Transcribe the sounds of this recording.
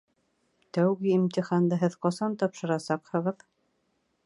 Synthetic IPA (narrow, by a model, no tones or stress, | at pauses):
t̪æwɡɘimt̪ʲiχand̪ɤɦɘðqɑsɑnt̪ɑpʃɤ̆ɾɑsɑqhɤ̆ʁɤð